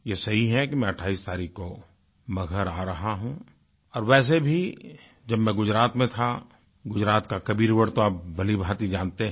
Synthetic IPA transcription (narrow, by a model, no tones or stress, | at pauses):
jesɐɦiɦɛkimɛ̃ɐʈʰaːiːst̪aːɾiːkko | mɐɡʱəɾaːɾɐɦaɦũ | ɔːɾʋɛːs̬ebʱi | d͡ʒɐbmɛ̃ɡʊd͡ʒɾaːt̪mẽt̪ʰa | ɡʊd͡ʒɾaːt̪kakɐbiːɾuwəɽt̪oaːpbɐlibʱaːt̪id͡ʒãːnt̪eɦ